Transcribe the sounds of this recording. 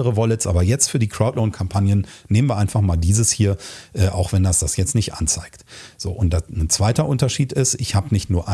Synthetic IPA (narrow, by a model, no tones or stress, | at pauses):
əʁəvɔlɪtsʔa̰ːbɐjɛt͡stfyːɐdiːkʁ̥aʊtloʊnkʰampʰanjənːeːmən̩viːɐaɪnfaχmaːldiːzəshiːɐʔɛːʔa̰ʊxv̥ɛndasd̥asjɛt͡stnɪçtʔa̰nt͡saɪktz̥o̰ːʔʊntd̥anənt͡sv̥aɪtɐʔʊntɐʃiːtɪstɪçhaːbənɪçtnuːɐʔa